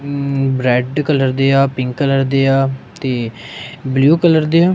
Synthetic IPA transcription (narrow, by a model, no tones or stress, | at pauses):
bɾɛːɖkələɾd̪eːaːpɪŋkːələɾd̪eːaːt̪eːbljuːkələɾd̪eːaː